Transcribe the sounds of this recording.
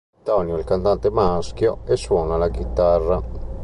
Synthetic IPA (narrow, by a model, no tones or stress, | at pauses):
t̪ɔnjoilkant̪ant̪emask̟joɛsːwɔːnalaɡit̪arːa